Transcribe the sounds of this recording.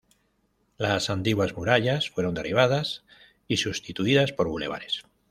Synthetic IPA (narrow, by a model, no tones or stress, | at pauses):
lasant̪iɣwazmuɾaʎasfwe̞ɾo̞nd̪eriβ̞að̞as | isust̪it̪uiðaspo̞ɾβule̞β̞a̰ɾe̞s